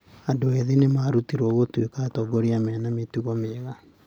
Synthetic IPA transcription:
andoɛðenemaːɾutiɾɔɣotwekaːtɔɡoɾiamɛːnametuɣɔmeɣa

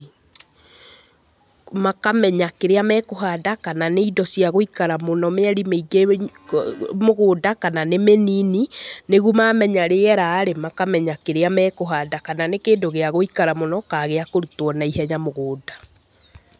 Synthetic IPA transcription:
makamɛɲakeɾeamɛkoɦadakananeidɔsiaɣoikaɾamonɔmeaɾimeiɡe | moɣoːdakananemeninineɣuomamɛɲaɾeɛɾaːɾemakamɛɲakeɾeamɛkoɦadakananekeːdoɣeaɣoikaɾamonɔkaɣeakoɾutwɔnaihɛɲamoɣoːda

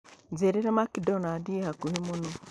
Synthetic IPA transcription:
d͡zeɾiɾamakidɔnadihakuhimuno

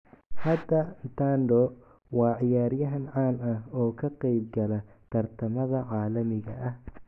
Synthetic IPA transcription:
hɐd̪ɐt̪ʰaːnd̪ɔ | wɑːʕɪjaːɾjɐɦɐnʕaːnɐhɔːkʰɐqɛjb̚ɡɐlɐ | t̪ʰɐrt̪ʰɐmɐðɐʕɑːlɐmɪɣɐ̰ʔɐh

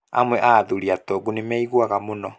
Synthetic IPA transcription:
a̰mwɛʔaðuɾiatɔɡunemɛiɣwaɣamonɔ

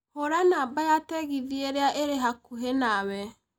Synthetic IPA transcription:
hoɾanaːbajatɛɣiðieɾeaʔeɾeɦakuɦenawɛ

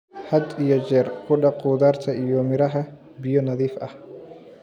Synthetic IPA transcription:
hɐd̪ijɔd͡ʒɛːrkʰʊɖɑquːðaːrt̪ʰɐʔijɔmɪɾɐɦɐ | bɪjɔnɐðiːfʔɐh

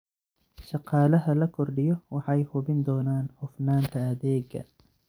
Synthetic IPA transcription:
ʃɑqɑːlɐɦɐlɐkʰɔrɖɪjɔwɑħɑjhʊβɪnd̪ɔːnaːnhʊfnaːnt̪ʰɐɐðɛːɡɐ̰

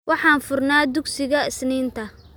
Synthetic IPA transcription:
wɑħɑːnfʊrnaːd̪ʊɡsɪɣɐɪsniːnt̪ʰɐ

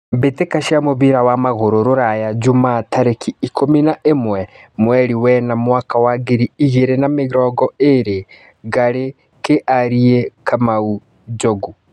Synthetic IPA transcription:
betekaʃiamoβiɾawamaɣoɾoɾoɾajad͡ʒumatʰaɾekʰiːkominaʔemwɛmwɛɾiwɛnamwakawaɡeɾiiɣeɾenameɣɾɔɡɔeɾe | ɣaɾe | keʔaɾiekʰamau | d͡ʒoɡu

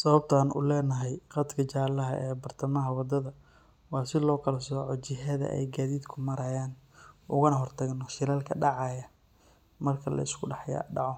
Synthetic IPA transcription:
sɐβɐb̚t̪ʰaːnʊ̰lɛːnɐɦɛjqɑd̪kʰɐt͡ʃaːlɐɦɐʔɛːbɐrt̪ʰɐmɐɦɐwɑd̪ɐðɐ | wɑːsɪlɔːkʰɐlɐsɔːʕɔt͡ʃɪɦɐðɐ̰ʔɛ̰jɡaːðiːd̪kʰʊmɐɾɐjaːnʔʊɣɐnɐɦɔrt̪ʰɐɣnɔʃɪlaːlkʰɐɖɑʕɑːjɐ | mɐrkʰɐlɐ̰ɪskʰʊɖɑħja̰ɖɑʕɔ

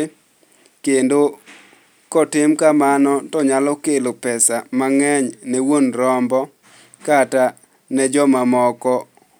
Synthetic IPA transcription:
kendo | kɔtɪmkamanɔtɔɲalɔkelopɛsamaŋɛɲnɛwonɾɔmbɔ | kata | nɛd͡ʒɔmamɔkɔ

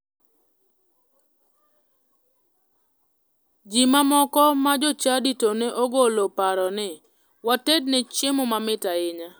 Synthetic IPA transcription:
d͡ʒimamɔkɔmad͡ʒɔt͡ʃaditoneʔoɡolopaɾɔnɪ | watednɪt͡ʃɪmomamɪtaɪɲa

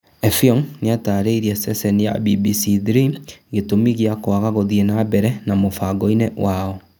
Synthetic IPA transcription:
ɛfiɔŋneataɾeiɾiasɛsɛnija̰bibisiðɾiɣetomiɣiakoaɣaɣoðienabɛɾɛnamofaɡɔinɛwaɔ

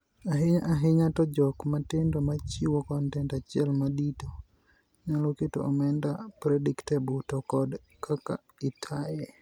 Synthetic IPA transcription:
aɦɪɲaʔaɦɪɲatɔd͡ʒɔkmatendomat͡ʃiwokɔntɛntat͡ʃɪɛlmadito | ɲaloketo̰ʔɔmɛndapɾɛdiktɛbɔtɔkɔd | kʰaka̰ | itʰajɛ

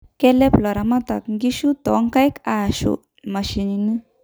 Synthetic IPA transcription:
kɛlɛplɔɾamat̪akɡiʃut̪ɔŋkajkaɕṵ | maɕinini

